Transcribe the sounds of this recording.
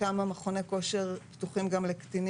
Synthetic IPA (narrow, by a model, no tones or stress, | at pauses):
amameχo̞ne̞ko̞ʃeʁptuχimɡamlekt̪in